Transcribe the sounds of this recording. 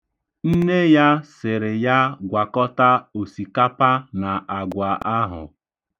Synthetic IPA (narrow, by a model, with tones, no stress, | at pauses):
n̩˦ne˦ja˦sɪ˨ɾɪ˨ja˦ɡʷa˨kɔ˦ta˦o˨si˨ka˦pa˦na˨ʔa˨ɡʷa˨ʔa˦ɦʊ̰˨